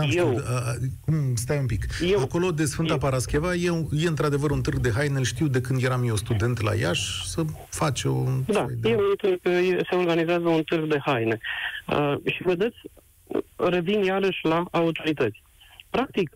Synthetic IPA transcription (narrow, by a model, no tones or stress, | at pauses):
amje | kumst̪ajumpikjeako̞lo̞d̪e̞sfɨnt̪apaɾaskʲevajeje̞ɨnt̪ɾad̪e̞vəɾunt̪ɨrɡ̚d̪e̞ɦajneɨlʃt̪iwd̪e̞kɨnd̪je̞ɾamjeost̪ud̪e̞nt̪la̰ja̰ʃsə | fat͡ʃod̪a̰jd̪jeunt̪ɨɾɡjese̞o̞rɡanizeazəunt̪ɨrɡd̪e̞hajne̞ə̰ʃivəd̪e̞t̪sʲ | re̞vinjaɾəʃʲlaaut̪o̞ɾit̪ət̪sʲ | pɾak̚t̪ik